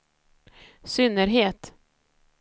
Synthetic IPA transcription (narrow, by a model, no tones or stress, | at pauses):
sʏnːəɾɦeːt̪